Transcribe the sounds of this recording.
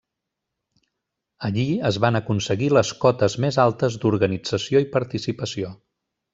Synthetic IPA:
əʎiəzβanəkunsəɣiləskɔt̪əzmezalˠt̪əzd̪uɾɣənid͡zəsioipəɾt̪isipəsio

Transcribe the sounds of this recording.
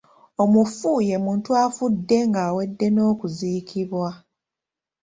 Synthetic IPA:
o̞mufuje̞muːntuafudːe̞ŋɡaːwe̞dːe̞no̞ːkuziːkʰiβwa

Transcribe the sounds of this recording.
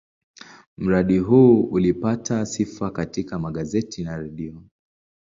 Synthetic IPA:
m̩ɾaɗiɦuːulipatʰasifakatikamaɠazɛtʰinaɾɛɗiɔ

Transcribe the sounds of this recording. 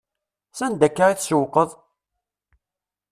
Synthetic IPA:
sænd̪ækːaɾiθsəwqəðˤ

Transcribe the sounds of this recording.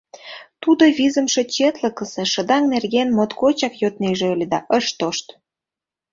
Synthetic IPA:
t̪ud̪oβizə̆mʃet͡ɕet̪ləkəsĕʃə̆d̪ɑŋnerɣenmot̪kot͡ɕɑkjot̪̚neʒeølʲed̪ɑʔəʃt̪oʃt̪

